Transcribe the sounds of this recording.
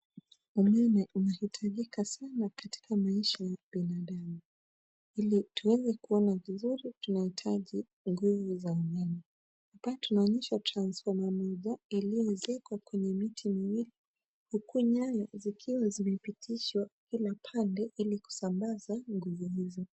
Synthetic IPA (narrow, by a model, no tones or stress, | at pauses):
umɛnɛʔunahitʰaʄikʰasanakati̥kamaiʃajaɓinaɗamu | ilitʰuwɛzɛkuɔnavizuɾitunahitʰaʄi | ŋɡuvuzaumɛnɛ | apatunaɔɲɛʃatɾansfɔmamɔʄailiɛzɛkwakwɛɲɛmitʰimiwili | hukuɲaɲazikʰiwazimɛpitʰiʃwakilapʰandɛʔiliku̥sambazaŋɡuvuhizɔ